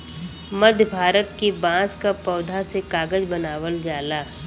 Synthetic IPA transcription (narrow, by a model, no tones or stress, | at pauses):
məd̪ʱbʱaːɾət̪kibãːskapɐːd̪ʱasekaːɡəd͡ʒbənaːʋəld͡ʒaːlaː